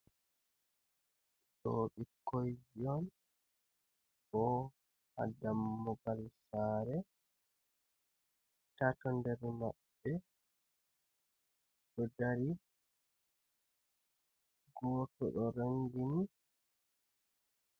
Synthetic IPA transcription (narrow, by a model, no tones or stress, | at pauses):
ɗo̰ɓikojd͡ʒɔn | ɓɔ | ha̰damːɔbalsaːɾɛ | tatɔndɛɾma̰ɓːɛ | ɗɔdaɾi | ɡɔːtɔɗɔɾaŋɡini